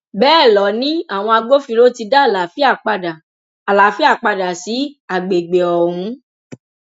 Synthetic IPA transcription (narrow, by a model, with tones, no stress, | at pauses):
bɛː˦˨lɔ˨˦nĩ˦a˦˨w̃ɔ̃˧a˧ɡ͡bo˦fi˧lo˦ti˧da˦˨la˨fi˦a˦˨k͡pa˧da˨ | a˨la˨fi˦a˦˨k͡pa˧da˨si˨˦a˦˨ɡ͡be˨ɡ͡be˨ɔ˨hũ˧˦